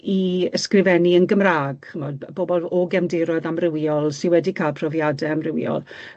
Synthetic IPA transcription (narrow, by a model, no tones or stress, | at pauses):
iəskrɪvɛniənɡəmraːɡ̥mɔwdboːbɔlˠɔɡɛmdɪɾɔðamrɪwjɔlˠsɪwɛdikʰaːlˠpʰrɔvjadɛamrɪwjɔ̰lˠ